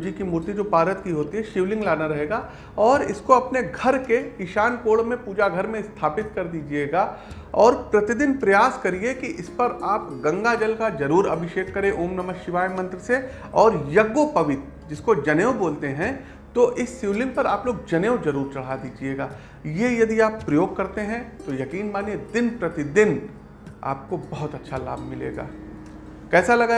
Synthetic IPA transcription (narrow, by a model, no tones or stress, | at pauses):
d͡ʒikimuːɾt̪id͡ʒoːpaːɾət̪kiɦoːt̪iɦɛʃɪʋlɪ̃ŋɡlaːnaɾɐɦeːɡaː | ɔːɾɪskoɐpneɡʱɐɾkekɪʃaːnkoːɽmẽpuːd͡ʒaɡʱɐɾmẽst̪ʰaːpɪt̪kɐɾd̪iːd͡ʒieːɡaː | ɔːɾpɾɐt̪ɪd̪ɪnpɾɐjaːskɐɾiekiʔɪspɐɾaːpɡɐ̃ŋɡad͡ʒɐlkad͡ʒɐɾuːɾɐbʱɪʃeːkːɐɾẽʔoːmnɐməkʃɪʋaːjmɐ̃nt̪ɾəse | ɔːɾjɐɡːopɐʋɪt̪ | d͡ʒɪskod͡ʒɐneːoboːlt̪eɦɛ̃ | t̪oʔɪsːjiːlɪ̃npɐɾaːploːɡ̚d͡ʒɐneːod͡ʒɐɾuːɾt͡ʃɐɽ̤ɦad̪iːd͡ʒieːɡaː | jejɐd̪iaːpːɾɐjoːɡ̚kɐɾt̪eɦɛ̃t̪ojɐkiːnmaːnied̪ɪnpɾɐt̪ɪd̪ɪn | a̰ːp̚kobɐɦʊt̪ɐtːʃʰala̰ːbʱmɪlḛːɡa̰ː | kɛːsalɐɡa